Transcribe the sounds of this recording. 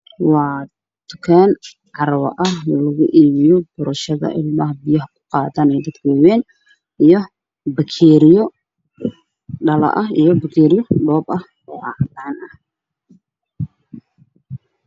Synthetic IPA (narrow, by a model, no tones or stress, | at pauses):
wɑː | t̪ʰʊ̥kʰaːn | ʕɑɾɐwɐ̰ʔɐhlɐɣʊʔiːβɪjɔb̥ʊɾɐʃɐðɐ̰ʔɪ̰lmɐɦɐbɪjɐhɐkʰʊ̥qɑːt̪aːnɛjd̪ɐd̪kʰʊwɛːn | ijɔ | bɐkʰɛːɾɪjɔ | ɖɐlɐ̰ʔɐɦḭjɔbɐkʰɛːɾɪjɔɖɔːbɐh | ɔːɑʕt̪aːnɐh